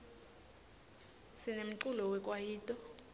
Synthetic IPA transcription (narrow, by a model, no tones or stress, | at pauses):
sinem̩ǃulɔwɛkʼwajiːtʼɔ